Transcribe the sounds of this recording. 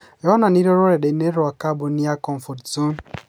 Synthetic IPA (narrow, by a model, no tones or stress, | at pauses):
jɔananiɾoɾoɾɛɗeneɾoakaboniakɔɱfottun